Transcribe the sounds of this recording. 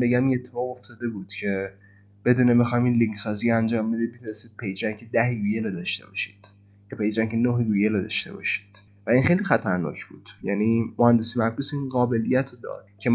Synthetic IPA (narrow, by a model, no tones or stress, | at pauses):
beɡæminet̪ʰːe̞fɒːɣo̞ft̪ɒːd̪e̞buːd̪̥cʰe̞ | b̥e̞d̪uːnemexɒjmiːnliŋkʰsɒːziɾænd͡ʒɒːmbed̪imet̪unest̪iːd̪̥̚pʰejd͡ʒæŋcʲʰed̪æheɡujelod̪ɒʃt̪e̞̰bɒ̰ːʃi̥ːd̪̥ | kepejd͡ʒæŋkʰenoɦeɡujelod̪ɒ̰ʃt̪e̞̰bɒ̰ːʃi̥d̪̥ | væinxejlixæt̪ʰæɾnɒ̰ːcʰbṵːd̪̥jæniːmohænd̪esimæfkusinɢɒːbe̞lijæt̪ʰod̪ɒ̰ːd̪̥cʰe̞